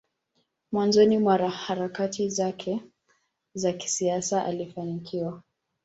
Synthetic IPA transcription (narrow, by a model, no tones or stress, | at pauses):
mwanzɔnimwaɾahaɾakatizakʰɛ | zaki̥siasaʔa̰lifanikʰiwa